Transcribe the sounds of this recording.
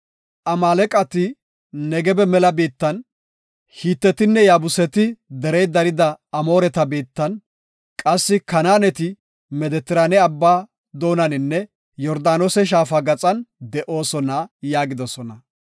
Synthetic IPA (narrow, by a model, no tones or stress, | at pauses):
ʔɐmaːlɛkʼɐt̪ɪ | nɛɡɛbɛmɛlɐbiːt̪ːɐn | hiːt̪ːɛt̪ɪnːɛjaːbʊsɛt̪ɪd̪ɛɾɛjd̪ɐɾɪd̪ɐːmo̞ːɾɛt̪ɐbiːt̪ːɐn | kʼɐsːɪkɐnaːnɛt̪ɪ | mɛd̪ɛt̪ːɪɾaːnɛɐbːaː | d̪o̞ːnɐnɪnːɛ | jɔɾd̪aːnosɛʃ̬aːfɐɡɐt͡sʼɐnd̪ɛʔo̞ːsɔnɐjaːɡɪd̪ɔsɔnɐ